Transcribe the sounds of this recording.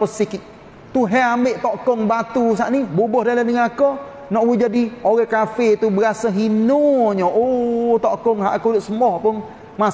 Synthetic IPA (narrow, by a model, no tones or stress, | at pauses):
pəsikik̚ | t̪uɦɛambeʔt̪ɔʔkɔŋbat̪us̬aʔnibobɔhdaləmdəŋakɔ | nɔʔwid͡ʒadioɣɛkafet̪ubəɾasaɦinoɲɔʔot̪ɔʔkɔŋɦaʔakudʊʔsəmɔhpʊn | ma